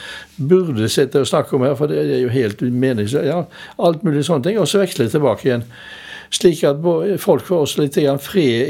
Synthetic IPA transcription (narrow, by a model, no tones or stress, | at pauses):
bʉʁd̪əsɪt̪ːəɔsnɑkːəɔmhæːɾfɔd̪id̪ɛæɾjʊɦeɪlt̪meːnɪŋsəjɑːɑlt̪mʉːlɪsɔnːət̪ʰɪŋːɔsːɔʋɛkslɛt̪ʰɛlbɑːkəɪjɛn | ʂliːkɑt̪̚bofɔlkfoɔsːɔlɪt̪ːəɡɾɑnfʁeː